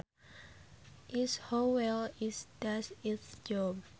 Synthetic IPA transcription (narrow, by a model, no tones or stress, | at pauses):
ʔishowɛlisdasisd͡ʒɔb̚